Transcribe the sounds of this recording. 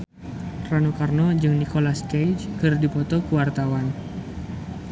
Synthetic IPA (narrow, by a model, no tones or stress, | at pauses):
ranokarnod͡ʒɨŋnikolaskajd͡ʒkərdipɔt̪ɔkuwart̪awan